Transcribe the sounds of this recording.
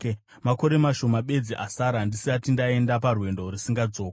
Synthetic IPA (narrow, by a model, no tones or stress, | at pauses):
mako̞ɾe̞maʃo̞maɓe̞d͡ziʔasaɾandisiatindae̞ndaparwe̞ndo̞risiŋɡad͡zo̞ːk